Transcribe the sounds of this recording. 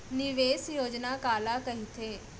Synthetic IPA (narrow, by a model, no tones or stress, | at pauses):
nɪʋeːsjoːd͡ʒnaːkaːlaːkɐɦit̪ʰeː